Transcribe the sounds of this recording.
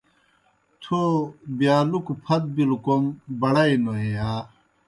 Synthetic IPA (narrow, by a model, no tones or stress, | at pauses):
t̪ʰobjaːlukupʰɐt̪̚bilukoŋbɐɽɐjnoɦejaː